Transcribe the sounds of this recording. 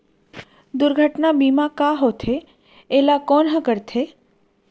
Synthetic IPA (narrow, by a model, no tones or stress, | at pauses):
d̪ʊɾɡʱəʈnabiːmãkaɦot̪ʰe | elakɔnɦə̃kəɾt̪ʰe